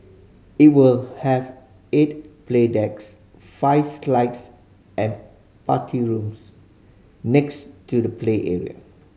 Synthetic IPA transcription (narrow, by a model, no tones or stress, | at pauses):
it̚wilhɛv | et̚pledɛks | faɪvslaɪts | ʔɛ̃n | pa̰tʰiɹũms | nɛkstudəpʰleʔɛɹḭə̰